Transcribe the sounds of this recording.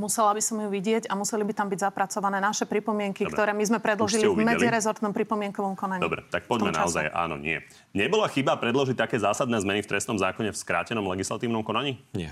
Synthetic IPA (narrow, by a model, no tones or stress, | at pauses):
musɛlabisɔmjuʋiɟɪɛɟamusɛlibit̪ambiɟzapɾat͡sɔʋanɛːnaʃɛpɾipɔmɪɛŋkikt̪ɔɾɛːmizmɛpɾɛd̪lɔʒilimɛd͡ziɾɛzɔɾt̪nɔmpɾipɔmɪɛŋkɔʋɔmkɔnaɲd̪ɔ̰bɾɛ̰t̪ak̚pɔmɛna̰ɔzajʔa̰ːnɔ̰ɲɪɛ̰ | ɲɛbɔlaxibapɾɛd̪lɔʒic̚t̪akɛːzaːsad̪nɛːzmɛnift̪ɾɛstnɔmzaːkɔɲɛfskɾa̰ːcɛnɔmlɛɡislat̪iːʊnɔmkɔnaɲiːɲɛ